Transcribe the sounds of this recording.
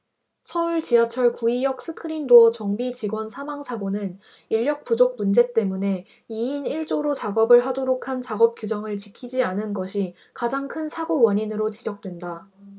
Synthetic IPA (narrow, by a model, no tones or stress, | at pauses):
sʰʌuɭt͡ɕiat͡ɕʰʌɭkuijʌk̚s͈ʰɯkʰɯɾindoʌt͡ɕʌŋbit͡ɕiɡwʌnsʰamaŋsʰaɡonɯn | iʎːjʌk̚p͈ud͡ʑok̚mund͡ʑe̞t͈e̞mune̞ | iiniɭt͡ɕ͈oɾot͡ɕaɡʌbɯɭɦadoɾokʰant͡ɕaɡʌp̚k͈jud͡ʑʌŋɯɭt͡ɕikʰid͡ʑianɯnɡʌɕʰi | kad͡ʑaŋkʰɯnsʰaɡowʌɲinɯɾot͡ɕid͡ʑʌk̚t͈we̞nda